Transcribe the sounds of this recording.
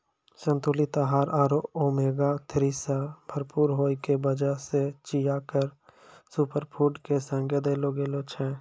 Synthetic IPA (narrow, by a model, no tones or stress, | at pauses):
sə̃nt̪oːlit̪aɦaːɾaːɾooːmeːɡat̪ʰɾisabʱəɾpuːɾɦoːikebəd͡ʒaset͡ʃijaːkəɾsupəɾpʰuːʈkesə̃ŋɡed̪eloːɡeloːt͡ʃʰɛ̃ː